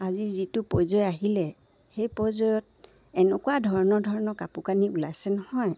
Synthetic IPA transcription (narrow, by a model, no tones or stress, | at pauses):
azizitʊpɔjzɔjaɦilɛ | xejpɔjzɔjɔt̚ | ɛnɛkuwadʱɔɹɔnɔɹdʱɔɹɔnɔkapukaniulajsɛnɔhɔj